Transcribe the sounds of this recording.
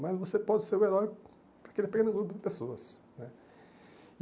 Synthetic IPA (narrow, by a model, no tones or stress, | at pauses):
mɐzvosepɔd̪seɾũeɾɔj | pɾɐkelpkẽnuɡlˠupud̪ɨpesoɐsnɛ